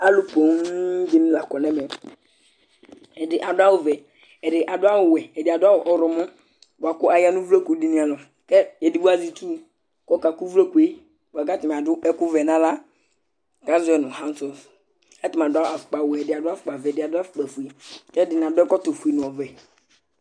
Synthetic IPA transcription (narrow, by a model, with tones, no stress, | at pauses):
a˦lʊ˦po˨ŋ˦d͡ʒɪ˦ñ˦la˨kɔ˨nɛ˦mɛ˨ | ɛ˨dɪ˨ʔa˨dʊ˦a˦wʊ˨vɛ˨ | ɛ˨dɪ˨ʔa˨dʊ˦a˦wʊ˨wɛ˨ɛ˨dɪ˨a˨dʊ˦a˦wʊ˨ʔɔ˨ɾɔ˨mʊ̃˦ | bʊ˨a˨kʊ˦a˨ja˦nʊ̃˦vo˦ko˨˦di˦nĩ˦a˨lɔ˨ | kɛ˦ɛ˨di˨˦bu˦a˨zi˨tu˦ | kɔ˦ka˨ku˦vlo˦ku˨e˦ | bo˨a˨ka˦tɪ˨m˨a˨dʊ˦ɛ˦kʊ˦vɛ˨nã˦la˦ | ɡa˦zʊ˦ɛ˨nʊ̃˨hã˦n˦sɔ˨f | ɛ˦tɪ˨m˨a˨dʊ˦a˦a˨fʊ̥˨k͡pa˨ʊ˨ɛ˨ɛ˨dɪ˨a˨dʊ˦a˦fʊ˨k͡pa˨vɛ˨dɪ˨a˨dʊ˦a˦fʊ̥˨k͡pa˨fu˨i˨kɛ˦dɪ˨nã˨dʊ˦ɛ˦kɔ˦to˨fu˨i˨nʊ̃˨ɔ˨vɛ˨